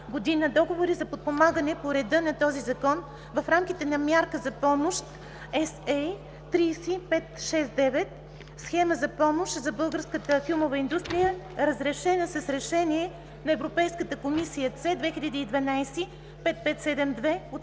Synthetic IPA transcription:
ɡod̪inəd̪ɔɡovoɾizɐpot̪̚pomaɡənɛpoɾɛd̪ɤnɐt̪ɔzizɐkɔn | vɐfɾamk̟it̪ɛnɐmʲjaɾkəzɐpɔmoʃt̪ | ɛsɛj | t̪ɾiːsipɛt̪ʃɛsd̪ɛvɛt̪̚ | sxɛməzɐpɔmoʃt̪zɐbɤlˠɡəɾskət̪əfilˠmovɐind̪ust̪ɾijəɾəzɾɛʃɛnəsɐsɾɛʃɛniɛ | nɐɛvɾopɛjskət̪əkomisijət̪sɛd̪vɛxiʎʲɐd̪iːd̪vɐnajsi | pɛt̪̚pɛt̪sɛd̪ɛmd̪vɛot̪

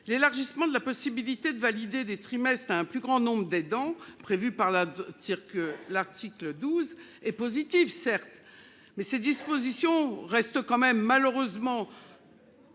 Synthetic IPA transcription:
lelaʁʒismɑ̃d̪əlapɔsibilit̪ed̪əvalid̪ed̪et̪χimɛst̪χaɛ̃plyɡʁɑ̃nɔ̃bʁəd̪ɛd̪ɑ̃pχevypaʁlat̪iʁklaʁt̪ikləd̪uzɛpozit̪ifsɛʁt̪ | mɛsed̪ispozisjɔ̃ʁɛst̪kɑ̃mɛmːaløʁøzmɑ̃

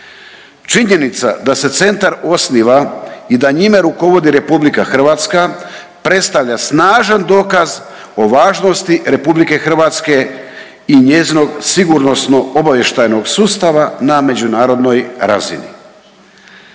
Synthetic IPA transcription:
t͡ʃiɲe̞nit̪sa̰d̪ase̞t̪se̞nt̪aɾo̞sniʋaid̪aɲimaɾuko̞ʋo̞d̪iɾe̞publikaxr̩ʋat̪ska | pɾe̞t̪st̪aʋʎasnaːʒand̪o̞ːkaz | o̞ʋaːʒno̞st̪iɾe̞publike̞xr̩ʋat̪ske̞ | iɲezino̞ɡsiɡuɾno̞sno̞o̞baʋje̞ʃt̪ajno̞ɡsuːst̪aʋaname̞d͡ʑunaːɾo̞d̪no̞jɾa̰zḭnḭ

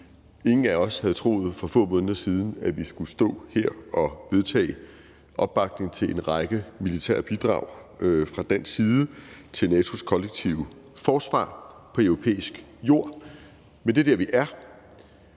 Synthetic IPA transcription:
e̝ŋn̩æɒ̽shæðˠt͡sʰʁo̝̰ːð̞̩ˠfɒ̽fɔ̰̽ːmɔ̽ːnðˠɐsiːð̞ˠn̩æʋisɡ̥usd̥ɔ̰̽ːheɐ̰ɒ̽ʋe̝ð̞ˠt͡sʰɛ̰ː | ʔɒ̽b̥ːɑ̈ɡ̥̚ne̝ŋt͡sʰe̝lʔe̝nʁɑ̈ɡ̥əmilit͡sʰæ̰ɐ̰b̥id̥ʁɑ̈ʊ̰fʁɑ̈d̥æn̰sːiːð̞ˠət͡sʰe̝lnɛːt͡sʰo̝skʰɒ̽leɡ̥̚t͡sʰiʊə | fɒːsʋɑ̰̈ːpʰɒ̽øʊʁo̝pʰḛːisɡ̥jo̝̰ɐ̰ | mend̥e̝dæɐʋiʔæɐ

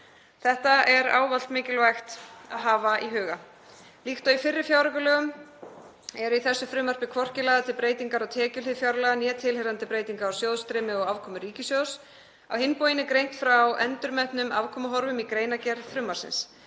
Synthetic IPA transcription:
θɛht̪aʔɛɾa̰ːwvalt̪mɪːcɪlvajxt̪a̰ðɦaːvaiɦʏːɣa | lixt̪œifɪrːɪɾfjaːwɾakʏlœːɣʏm | ɛɾʏiθɛsːʏfɾʏːmar̥pɪkʰvɔr̥cɪlɛːɣat̪ʰɪlpɾeːjt̪iŋkaɾawt̪ʰɛːcʏlɪðfjawɾlɛɣanjɛːt̪ʰɪlhɛɾant̪ɪpɾeːjt̪iŋkaɾawsjoːwðst̪ɾɛːmɪɔɣaːvkʰɔːmʏɾiːcɪsjows | a̰whɪmpoːjɪnɪkɾejn̥t̪fɾawɛnt̪ʏɾmɛhpnʏmavkʰɔːmaɦɔɾvʏmikɾeːjnacɛɾðfɾʏːmaɾ̥sɪ̰ns

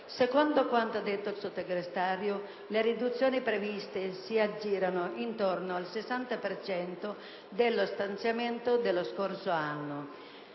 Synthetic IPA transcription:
sekond̪okwant̪oad̪ːet̪ːoilsot̪eɡɾest̪aːɾjo | leɾid̪ut̪sːjoːnipɾevist̪esiad͡ʒːiːɾanoʔint̪ornoalsesant̪apert͡ʃɛnt̪o | d̪elːost̪ant̪sjament̪od̪elːoskorsoanːo

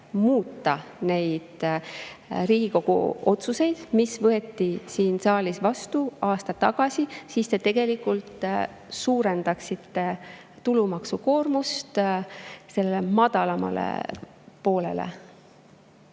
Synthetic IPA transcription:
muːt̪ˑːɑne̞jd̪̥ | riːɡ̥iko̞ɡ̥ṵo̞t̪suse̞jd̪̥misvɤe̞t̪ːisiːnsɑːlisvɑst̪uɑːst̪ɑt̪ːɑɡ̥ɑsisiːst̪e̞t̪e̞ɡ̥e̞likːˑult̪ | suːɾe̞nd̪ɑksit̪ːe̞ | t̪ulumɑksuko̞ːrmust̪ | se̞lːelemɑd̪̥ɑlɑmɑ̰lḛ | po̞ːle̞̰lḛ

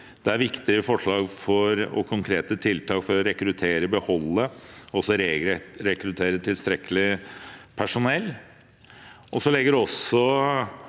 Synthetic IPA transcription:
d̪̥ɛæɾʋɪkt̪ɪɾəfɔʂɭɑːɡfɔɾɔ̰kʰʊŋkʰɾeːt̪ət̪ʰɪlt̪ʰɑːkfɔɾɔɾɛkɾʉt̪ʰeːɾəbəhɔlːəɔsɔɾɾɛkɾʉt̪ʰeːɾət̪ʰɪlst̪ɾɛkəlɪpʰæʂʊnɛlː | ʔɔsɔlɛɡːəɖɛɔsɔ

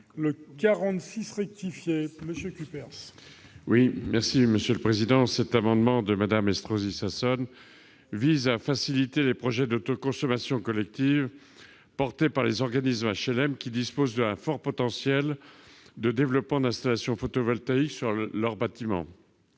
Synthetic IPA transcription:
ləkʲaʁɑ̃t̪sisʁɛk̚t̪ifjeməsjøkʲypɛʁs | wimɛʁsiməsjøləpχezid̪ɑ̃sɛt̪amɑ̃d̪mɑ̃d̪əmad̪amɛst̪χozisasɔn | vizafasilit̪elepχɔʒɛd̪ot̪okɔ̃sɔmasjɔ̃kɔlɛk̚t̪iv | pɔʁt̪epaʁlezɔʁɡanismaʃɛlɛmkʲid̪ispozd̪ɛ̃fɔʁpɔt̪ɑ̃sjɛl | d̪əd̪evlɔpmɑ̃d̪ɛ̃st̪alasjɔ̃fot̪ɔvɔlt̪aiksyʁlœʁbat̪imɑ̰̃

